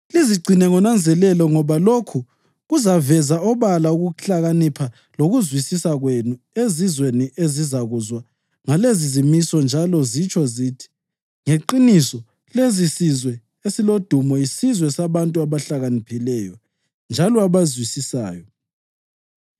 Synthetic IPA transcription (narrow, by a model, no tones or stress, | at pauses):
liziɡ͡ǀʱinɛŋɔnand͡zʱɛlɛlɔŋɔβalokʰu | ɣuzavɛzaɔβalauɣuɬaɣanipʰa | loɣuzwisisaɣwenu | ezizweniʔezizaɣuzwa | ŋalezizimisɔnd͡ʒʱalɔzit͡ʃʰʼɔzitʰi̥ | ŋeǃinisɔ | lezisizwɛ | esilod̥ʱumɔisizwɛsaβantʼuaβaɬaɣanipʰilɛjɔ̰ | nd͡ʒʱalɔaβazwisisa̰ːjɔ